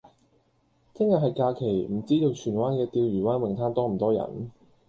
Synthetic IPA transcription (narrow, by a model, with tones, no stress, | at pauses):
t͡sʰɪ˥ŋjɐ˨˩ɦɐ˨jkaː˧kʰe˨˩jm̩˨˩t͡siː˥t̪o˧wt͡ʃʰyː˨˩nwaː˥nkɛː˧t̪iː˧wjyː˨˩waː˥nwɪ˨ŋt̪ʰaː˥nt̪ɔː˥m̩˨˩t̪ɔː˥jɐ̰˨˩n